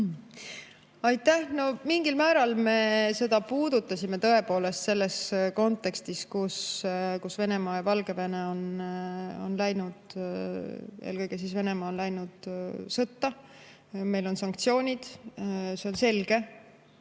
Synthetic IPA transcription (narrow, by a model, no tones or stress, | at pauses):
ɑjt̪ːæhno̞miŋɡ̥ilmæːɾɑlme̞se̞d̪̥ɑpuːd̪̥ut̪ːˑɑsʲime̞t̪ɤe̞po̞ːle̞st̪se̞lːe̞sko̞nt̪ːˑe̞kst̪iskuskusve̞ne̞mɑːjɑvɑlɡe̞ve̞ne̞o̞n | o̞̰nlæjnud̪̥ | ḛlkɤjɡ̥esisve̞ne̞mɑːonlæjnud̪̥sɤt̪ːɑ | me̞jlo̞nsɑŋk̚t̪sio̞ːnʲid̪̥se̞o̞nse̞lɡ̥e̞